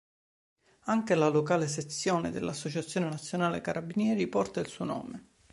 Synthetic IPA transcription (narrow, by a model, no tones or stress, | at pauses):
aŋkelalokaːleset̪sːjoːned̪elːasːot͡ʃat̪sːjoːnenat̪sːjonaːlekaɾʔabinjɛːɾipɔrt̪ailsuːonɔ̰ːme